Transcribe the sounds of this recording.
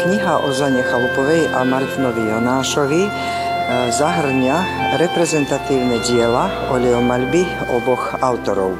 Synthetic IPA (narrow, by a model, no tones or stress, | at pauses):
kɲiɦaʔɔʒaɲɛxalupɔʋɛjʔamaɾt̪inɔʋijɔnaːʃɔʋi | zaɦr̩ɲaɾɛpɾɛzɛnt̪at̪iːwnɛɟɪɛla | ɔlɛɔmalbi | ɔbɔxawt̪ɔɾɔ̰w